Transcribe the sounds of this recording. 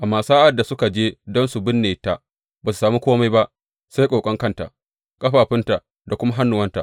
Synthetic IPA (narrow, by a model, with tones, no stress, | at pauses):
ʔa˨mːaː˨saː˦ʔa˨da˨sʊ˦ka˨d͡ʒeː˦dɔ˦nsu˨bɪ˦nːeː˨ta˨ʔ | baː˨su̥˨saː˨mi˦kʷoː˦ma˦jba˦ʔ | sa˦jkʷʼoː˨kʼɔ˦ŋkɐ˦nta̰˨ʔ | kʼɐ˦ɸaː˨ɸɪ˦nta˨ʔ | da˨kʷʊ˦ma˦ɦa˦nːʊ˨wɐ˦nta˨ʔ